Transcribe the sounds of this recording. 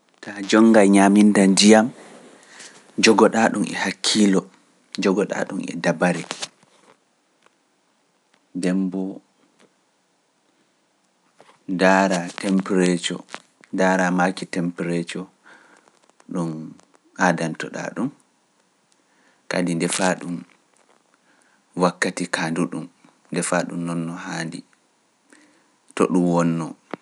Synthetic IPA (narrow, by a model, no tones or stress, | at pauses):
tad͡ʒɔŋːɡajɲamindandijam | d͡ʒɔɡɔɗaɗumʔɛ̰hakʰːilɔ | d͡ʒɔɡɔɗa̰ɗṵmɛ̰dabaɾɛ | dɛmbɔ | daːɾatɛmpɾɛt͡ʃɔ̰ | daːɾamakitɛmpɾɛt͡ʃɔ | ɗum | adantɔɗa̰ɗum | kadindɛfaɗum | wakːatikanduɗum | ndɛfaɗumnɔnːɔhaːndi | tɔ̰ɗumwɔnːɔ